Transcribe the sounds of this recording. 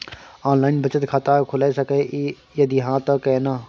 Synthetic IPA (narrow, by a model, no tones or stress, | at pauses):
aːnlaːɪnbət͡ʃət̪kʰat̪aːkʰʊlesəke | jɐd̪iɦãːt̪əkenaː